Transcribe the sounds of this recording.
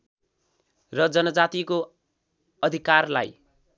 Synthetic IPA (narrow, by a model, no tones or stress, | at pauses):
rʌd͡zʌnʌd͡zat̪iko | ʌd̪ʱikarla̰j